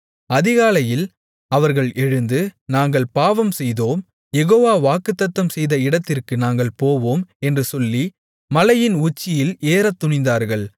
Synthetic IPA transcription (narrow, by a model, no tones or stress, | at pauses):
ɐðɪɣaːlɐjɪl | ɐʋɐɾɣɐɭɛɻɯnd̪ɯnaːŋɡɐɭpaːʋɐmsɛjðoːm | jɛɣoːʋaːʋaːkɯt̪ːɐt̪ːɐmsɛjðɐɪɽɐt̪ːɪrkɯnaːŋɡɐɭpoːʋoːmɛndrɯsɔlːi | mɐlɐjɪnʊt͡ʃːɪjɪleːɾɐt̪ːʊɳɪnd̪aːɾɣɐɭ